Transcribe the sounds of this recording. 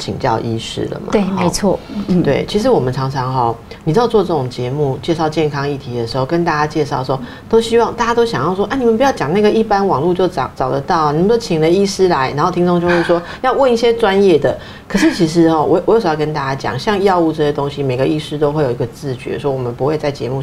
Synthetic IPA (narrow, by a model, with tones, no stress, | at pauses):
t͡ɕʰḭ˨˩ŋt͡ɕjɑ̰˥˩ʊʔi˥ʂɻ̩̰˥lə̰˨˩ma̰˧e˥˩me˧˥˦t͡sʰwɔ˥˩˥t̪we˥˩ɪt͡ɕʰi˧˥ʂ̬ɻ̩˧˦wɔ˨˩mə˦nʈ͡ʂʰɑ˧˥ŋʰɑ˧˥ŋɦɔ˨˩ | ni˨˩jɑ˥˧ʊt͡swɔ˥˧ʈ͡ʂɤ˥˩ʈ͡ʂoʊ˨˩ŋt͡ɕjɛ˧˥mu˥˩t͡ɕjɛ˥˧ʂɑ˥˧ʊt͡ɕjɛ˥˩nkʰɑ˥ŋi˥˩t̪ʰi˨˥d̪ə˨˩ʂɻ̩˧˥xo˥˩ʊkə˦˥nt̪a˥˩t͡ɕa˥t͡ɕjɛ˥˧ʂɑ˥˩ʊʂwɔ˥ | t̪o˥ʊɕi˥wɑ˥˧ŋt̪a˥˩t͡ɕa˥t̪o˥ʊɕjɑ˨˩ŋjɑ˥˩ʊʂ̬wɔ˥ʔa˥˩ni˨˩mə˨˦npu˧˥jɑ˥˩ʊt͡ɕjɑ˨˩ŋna˥˩ɡə˨i˥˩pa˥nwɑ˨˩ŋlu˥˧t͡ɕjo˥˩ʊt͡sɑ˨˩t͡sɑ˨˩ʊd̪ə˦t̪ɑ˥˩ʊ˩ni˨˩m˧˩o˥˩t͡ɕʰi˨˩lə˦i˥˩ʂɻ̩˥la˧˦ɪna˨˧˥nxo˥˧t̪ʰi˥ŋt͡so˥˧ŋt͡ɕjo˥˧ʂɻ̩˥˩ʂ̬wɔ˥ | jɑ˥˧ʊwə˥˧ni˥˩ɕjɛ˥ʈ͡ʂwa˦njɛ˥˩d̪ə˩ | kʰɤ˨˩ʂɻ̩˥˩t͡ɕʰi˧˥ʂ̬ɻ̩˧˦hɔ˧wɔ̰˨˧˦ɔ˧jɕjkə˦nt̪a˥˩t͡ɕa˥t͡ɕjɑ̰˨˩ŋɕjɑ˥˧ŋjɑ˥˧ʊu˥˧ʈ͡ʂɤ˥˩ɕjɛ˥t̪o˥ŋɕi˦me˨˩ɪɡə˩˦i˥˩ʂɻ̩˥t̪o˥ʊxwe˥˩jo˨˩i˧˥ɡə˧˩t͡sɹ̩˥˩t͡ɕɥɛ̰˧˥ʂwɔ˦˥wɔ˨˩mə˦npu˧˦xwe˥˧ɪt͡sa˥˩ɪt͡ɕjɛ̰˧˥mu˥˧˩